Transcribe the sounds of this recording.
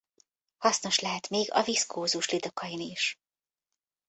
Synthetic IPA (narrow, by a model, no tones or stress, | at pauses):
hɒsno̞ʃlɛɦɛt̪meːɡɒ̰viskʰoːzuʃlid̪o̞kʰɒjiniːʃ